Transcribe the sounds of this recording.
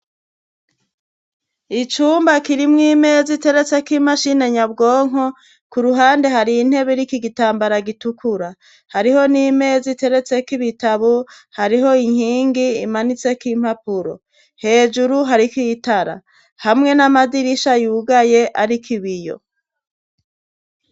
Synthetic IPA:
it͡ʃuːmbakiɾimŋiːme̞zite̞ɾe̞t͡se̞kimaʃine̞ɲabɡo̞ːŋo | kuɾuɦaːnde̞ɦaɾiːn̥he̞βeɾikiɡitaːmbaɾaɡitukʰuɾa | haɾiho̞nimezite̞ɾe̞t͡se̞kiβitaβo | haɾiɦo̞iŋ̥hiːŋɡiːmanit͡se̞kim̥hapuɾo̞̰ | he̞ːd͡ʒuɾuɦaɾikitaɾa̰ | hamŋe̞namadiɾiʃajuːɡaje̞ʔaɾikʰiβijo̞̰

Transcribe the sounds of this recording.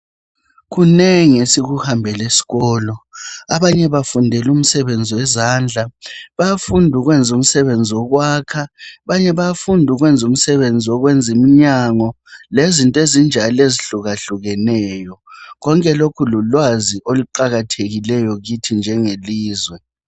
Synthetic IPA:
ɣunɛŋesiɣuhambʱɛlesi̥ɣɔːlɔaβaɲɛβafundʱɛlum̩sɛβend͡zʱiwɛzaːnd͡ɮʱaβaafundʱuɣwɛnd͡zʱum̩sɛβend͡zʱiwɔɣwaːkʰaβaɲɛβaafundʱuɣwɛnd͡zʱum̩sɛβend͡zʱiɔɣwɛnd͡zʱimiɲaŋɔ | lezintʼezind͡ʒʱaleziɬuɣaɬuɣɛnɛːjɔɣɔŋkʼɛlokʰululwaziʔoluǃaɣatʰeɣilɛjɔɣitʰind͡ʒʱɛŋeliːzwɛ

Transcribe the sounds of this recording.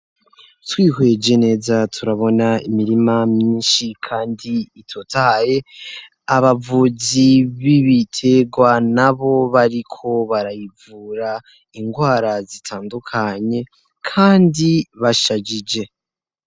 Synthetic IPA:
twiːhwe̞d͡ʒe̞ne̞ːzatʰuɾaβo̞naḭmiɾimamɲiːnʃikʰaːndiːtʰotaaje̞ | aβavuziβiβitʰe̞ɡwanaβo̞βaɾikʰo̞βaɾajivuːɾa | iŋɡwaːɾazitʰaːndukʰaɲe̞ | kʰaːndiβaʃad͡ʒid͡ʒe̞

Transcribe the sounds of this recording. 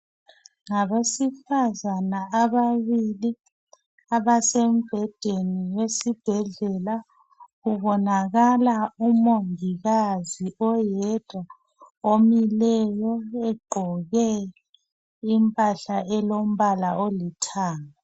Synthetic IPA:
ŋaβesifazanaaβaβili | aβasem̩b̥ʱɛd̥ʱeniwesib̥ʱɛɮɛla | ɣuβɔnaɣalaumoŋiɣaziɔjɛd̥ʱwa | omilɛjɔɛɡ͡ǃʱɔɣɛ | impʼaɬaʔɛlom̩βalaʔolitʰaːŋa

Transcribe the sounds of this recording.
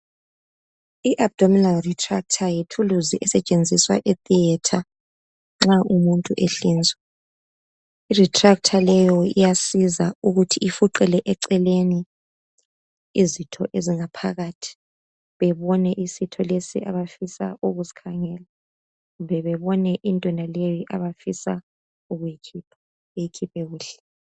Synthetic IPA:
iʔab̚d̥ʱominalritʰʼra̰k̚tʰajitʰuluziʔɛsɛt͡ʃʼend͡zʱiswa̰ʔɛt̪ʼiɛtʰa | ŋ͡ǁaʔumuntʼuʔeɬiːnd͡zʱwɛ | iritʰʼrak̚tʰalɛjɔijasizauɣutʰiifuǃɛlɛʔɛǀɛleni | izitʰɔʔeziŋapʰaɣatʰi̥ | βɛβɔnɛʔisitʰɔlesḭʔaβafisa̰ʔuɣuzi̥kʰaŋɛːla | umbʱɛβɛβɔnɛʔintʼɛnalejiʔaβafisa | uɣujikʰiːpʰḁ | ejikʰipʰɛɣuːɬɛ̥

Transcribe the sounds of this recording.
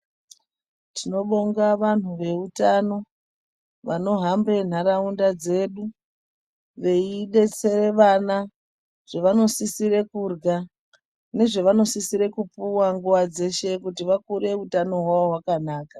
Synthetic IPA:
tʰino̞ɓo̞ŋɡaʋan̤uʋe̞utano̞ | ʋano̞ɦambre̞n̤aɾaundad͡ze̞ɗu | ʋe̞iɗe̞t͡seɾeʋana | ʐ̥eʋano̞sisiɾe̞kurɡa | ne̞ʐe̞ʋano̞sisiɾe̞kupuwaŋɡuʋad͡ze̞ʃe̞kutiʋakuɾe̞utano̞ɦwaoɦwakanaːkḁ

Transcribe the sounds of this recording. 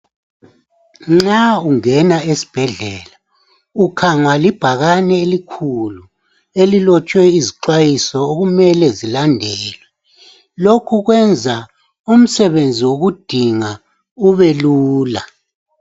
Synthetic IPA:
ŋ͡ǁauŋɛnaesi̥b̥ʱɛɮɛːla | ukʰaŋwalib̥ʱaɣanɛelikʰulu | elilɔt͡ʃʼwɛiziǃwajisɔoɣumɛlɛzilandʱɛːlwɛ | lokʰuɣwɛnd͡zʱa | um̩sɛβend͡zʱiwoɣud̥ʱiŋa | uβeluːla

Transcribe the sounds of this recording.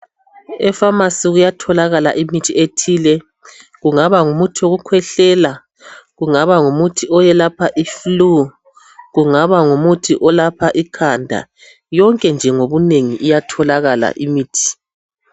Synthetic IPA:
ɛfamasiɣujatʰɔlaɣala̰ʔimitʰietʰilɛ | ɣuŋaβaŋumutʰioɣukʰwɛɬɛla | ɣuŋaβaŋumutʰiɔjɛlapʰaʔiflu | ɣuŋaβaŋumutʰiʔɔlapʰaʔikʰandʱa̰ | jɔŋkʼɛnd͡ʒʱɛŋoβuneŋiʔijatʰɔlaɣala̰ʔimiːtʰi̥

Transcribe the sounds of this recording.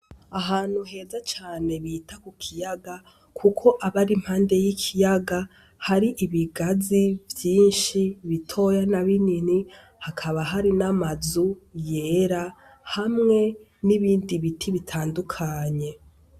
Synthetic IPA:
aɦaːn̥huɦe̞ːzat͡ʃaːne̞βiːtakukʰijaɡa | kʰukʰo̞ʔaβaɾim̥haːnde̞jikʰijaɡa | haɾiʔiβiɡazivjiːnʃiβitʰo̞janaβinini | hakʰaβaɦaɾinamazuje̞ɾa | hamŋe̞ | niβiːndiβitʰiβitʰaːndukʰaːɲe̞

